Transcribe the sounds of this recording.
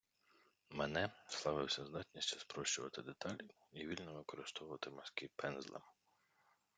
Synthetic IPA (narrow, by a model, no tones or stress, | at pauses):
menɛslˠɑʋɪwsʲɐzd̪ɑt̪ʲnʲisʲt͡ʃɐ̥spɾɔʃt͡ʃʊʋɐt̪ɪd̪et̪ɑlʲi | iʋʲilʲnɔʋɪkɔɾɪst̪ɔʋʊʋɐt̪ɪmɐskʲipɛnzlˠɐ̰m